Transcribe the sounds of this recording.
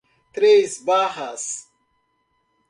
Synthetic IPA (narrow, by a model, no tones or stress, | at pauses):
t̪ɾeisbaːhas